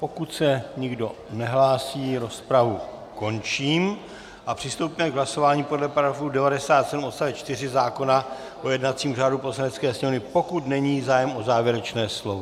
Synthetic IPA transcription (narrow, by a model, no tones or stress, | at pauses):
po̞kut̪sɛɲɪɡdo̞ | nɛɦlaːsiːɾo̞spɾavu | ko̞nt͡ʃiːm | ʔapr̝̥ɪst̪owpmɛɡɦlaso̞vaːɲipo̞dlɛpaɾaɾofudɛvadɛsaːt̪sɛdumt̪st̪avjɛt͡ʃt̪ɪr̝ɪzaːko̞na | ʔo̞jɛdnat̪t͡siːmur̝aːdupo̞slanɛt͡skɛːsɲɛmnɪpo̞kut̪nɛɲiːzaːjɛmʔo̞zaːvjɛɾɛt͡ʃnɛːslo̞vo